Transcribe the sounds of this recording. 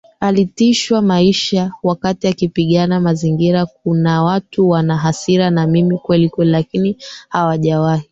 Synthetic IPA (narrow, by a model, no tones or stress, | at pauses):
alitiʃwamaiʃawakatiakipiɠanamaziŋɡiɾak̚unawatuwanaɦasiɾanamimikwɛlikwɛlilakinihawaʄawahi